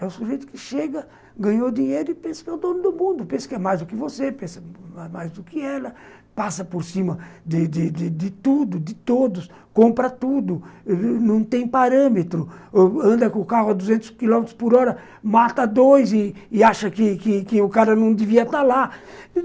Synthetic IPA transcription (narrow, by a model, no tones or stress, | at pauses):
ɛʊsuɾʒejt̪ʊ̥kɪʃeɡɐ | ɡɐ̃ɲod̪iɲejɾʊɪpẽsɐ̥kɪɛwd̪õnʊd̪ʊmũnd̪ʊpẽsɐ̥kɪɛmajzd̪ʊkɪvosepẽsɐmamajzd̪ʊkɪɛlɐ | pasɐpoɾsĩmɐd̪ɪd̪ɪd̪ɪd̪ɪt̪ud̪ʊd̪ɪt̪od̪ʊs | kõmpɾɐt̪ud̪ʊnɐ̃w̃t̪ẽj̃paɾɐ̃met̪ɾʊɐ̃nd̪ɐkʊkaɦʊad̪uzẽnt̪ʊ̥skilɔ̃met̪ɾʊ̥spʊɾɔɾɐ | mat̪ɐd̪ojzɪɪaʃɐkɪkɪkɪʊkaɾɐnɐ̃w̃d̪ɪviɐt̪aɾla